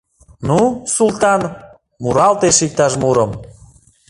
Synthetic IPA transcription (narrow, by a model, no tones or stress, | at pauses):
nusult̪ɑn | muɾɑlt̪eʃik̚t̪ɑʃmuɾəm